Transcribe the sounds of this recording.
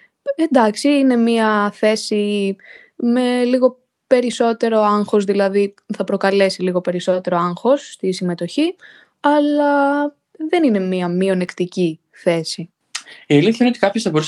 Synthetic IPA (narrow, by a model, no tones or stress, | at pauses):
e̞nd̪ɐksiine̞miɐθe̞si | me̞liɣo̞ | pe̞ɾiso̞t̪e̞ɾo̞ɐŋxo̞zðilɐðiθɐpɾo̞kɐle̞siliɣo̞pe̞ɾiso̞t̪e̞ɾo̞ɐŋxo̞sːt̪isime̞t̪o̞çi | ɐlɐ | ðe̞nine̞miɐmio̞ne̞kt̪ici | θe̞si | iɐliθçɐineot̪i̥kɐpçosθɐbo̞ɾus